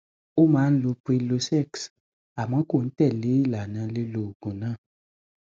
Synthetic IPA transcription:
o˦mã˨˦n̩˦lo˧pi˧lo˧sɛ˦˨ks | a˨mã˨˦ko˦˨n̩˦tɛ˦˨li˨˦la˨nã˧le˧˦lo˨ɡ̥ũ˨nã˦

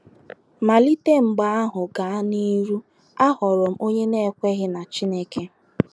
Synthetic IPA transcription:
ma˨li˦te˦ŋ͡m̩˨ɡ͡ba˨˦a˦ɦʊ˨ɡa˨a˦ni˦ɾu˦ | a˦ɦɔ˨ɾʊ˨m̩˦o˦ɲe˦ne˦˨kʷe˦ɣɪ˦na˨t͡ʃi˦ne˦ke˦

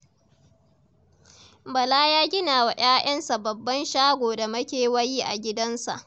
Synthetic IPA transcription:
bɐ˨laː˦jaː˦ɡʲɪ˦naː˨wa˨j̰aː˦j̰ɐ˦nsa˨bɐ˨bːɐ˦nʃaː˦ɡʷoː˨da˨mɐ˦kʲeː˨wɐ˦jiː˦ʔa˨ɡʲɪ˦dɐ˦nsa̰˨ʔ

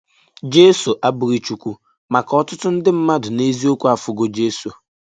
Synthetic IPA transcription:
d͡ʒe˦su˨ʔa˦bʊ˨ɾi˨t͡ʃu˨kʷu˦ | ma˨kɔ˦tʊ˦tʊ˦n̩˦dɪ˦m̩˦ma˦dʊ˨ne˦zi˦o˦kʷu˦a˨fʊ˨ɡo˦d͡ʒe˦su˨

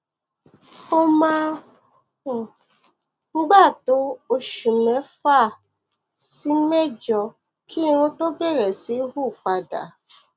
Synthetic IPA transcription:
o˦ma˦˨ | ŋ͡m̩˦ɡ͡ba˦˨tʊ˦o˨ʃu˨me˨fa˦˨ | si˦me˦d͡ʒɔ˨ | kʰi˦ɾʊ˦to˦be˦ɾe˨si˦ɦu˦˨k͡pa˨da̰˨

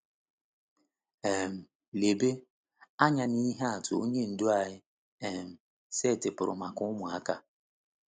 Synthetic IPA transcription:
ɛ˨m̩˨ | le˨be˦ | a˦ɲa˨ni˦ɦa˦a˨tʊ˨o˦ɲe˦n̩˨do˦a˨ɲɪ˦ | ɛ˨m̩˨ | se˦˨tɪ˨pʊ˨ɾʊ̰˨ma˨kʊ˦mʊ˨a˦ka˦

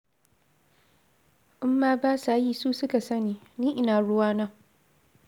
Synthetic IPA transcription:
ʔʊ˦mːaː˦baː˦saː˨jiː˦suː˦sʊ˦ka˨sɐ˦niː˨niː˦ʔɪ˦naː˨ɽʊ˦waː˦na˦

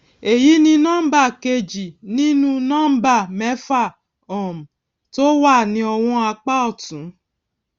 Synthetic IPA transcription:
e˨ji˨˦nĩ˧nã˦ba˦˨ke˧d͡ʒi˨nĩ˦nũ˦nã˦ba˦˨mɛ˦fa˦˨ | ɔ̃˨m̩˨ | to˦wa˦˨nĩ˧ɔ˧w̃ɔ̃˧a˧k͡pa˦ɔ˦˨tũ˨˦

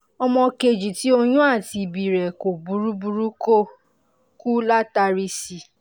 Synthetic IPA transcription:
ɔ˧mɔ̃˧ke˧d͡ʒi˨ti˨˦o˧jũ˦a˦˨ti˧˨bi˨ɾɛ˨ko˨bu˨˦ɾu˦bu˧ɾu˦ko˦ | ku˦la˦ta˧ɾi˧si˨

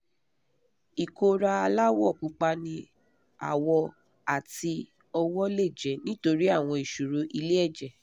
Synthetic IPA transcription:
i˨ko˧ɾa˧a˧la˦wɔ˦˨k͡pu˨˦k͡pa˧nĩ˧ | a̰˨wɔ˧ | a˨ti˧ | ɔ˧wɔ˦le˦˨d͡ʒɛ˨nĩ˦to˧ɾi˦a˦˨w̃ɔ̃˧i˨ʃu˨ɾo˧ʔi˧le˦ɛ˦˨d͡ʒɛ˨

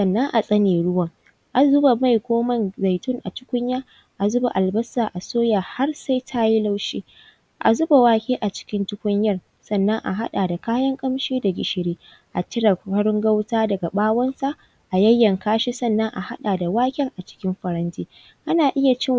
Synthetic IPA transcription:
sɐ˨nːɐ˦ŋʔa˨sʼɐ˦neː˨ɽʊ˦wɐ˨ŋ | ʔa˨zʊ˦ba˨ma˦jkʷoː˦mɐ˦nza˨jtʊ˦˨ŋʔa˨tʊ̥˦kʷʊ˦ɲjaː˦ | ʔa˨zʊ˦ba˨ʔa˨lbɐ˦sːaː˨ʔa˨soː˦jaː˨ha˦rsa˦jtʰa˦ji˦la˦wʃiː˦ | ʔa̰˨zʊ˦ba˨waː˦kʲeː˦ʔa˨t͡ʃɪ̥˦kʲɪ˦ntʊ˦kʷʊ˦ɲjɐ˦r | sɐ˨nːɐ˦ŋʔa̰˨ɦa̰˦ɗaː˨da˨kaː˦jɐ˦ŋkʼɐ˦mʃiː˦da˨ɡʲɪ˨ʃɪ˨ɽeː˦ | ʔa˨tɪ˦ɽɐ˨ɐ˦ɽɪ˦ŋɡɐ˦wtaː˦dɐ˨ɡa˨ɓaː˦wɐ˦nsa˦ | ʔa˨jɐ˦jːɐ˨ŋkaː˦ʃi˦sɐ˦nːɐ˦ŋʔa˨ha˦ɗaː˨da˨waː˦kʲɛ˦ŋʔa˨t͡ʃɪ̥˦kʲɪ˦mɸɐ˨ɾɐ˦ntiː˦ | ʔa˦naː˨ʔɪ˦ja˨t͡ʃɪ˦

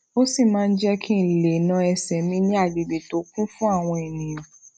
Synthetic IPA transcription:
o˦si˦˨mãː˦˧n̩˦d͡ʒɛ˦kʰĩ˦˨le˨nã˧ɛ˧sɛ˨mĩ˧˦nĩ˦a˦˨di˨be˨to˨˦kũ˦fũ˦a˦˨w̃ɔ̃˧e˨nĩ˨ɔ̃˨

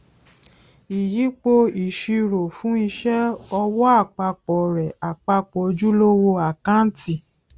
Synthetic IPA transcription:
i˨ji˨˦k͡po˧i˨ʃi˧ɾo˨fũ˨˦i˧ʃɛ˦ɔ˧wɔ˦a˦˨k͡pa˧k͡pɔ˨ɾɛ˨a˨k͡pa˧k͡pɔ˨d͡ʒu˦lo˦wo˧a˨kã˦n̩˦ti˦˨

